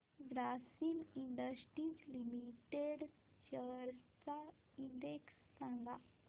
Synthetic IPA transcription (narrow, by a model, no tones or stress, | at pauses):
ɡɾasimiɳɖəsʈɾiːd͡zlimiʈeɽ | ɕəɾt͡sa | iɳɖeksːãŋɡa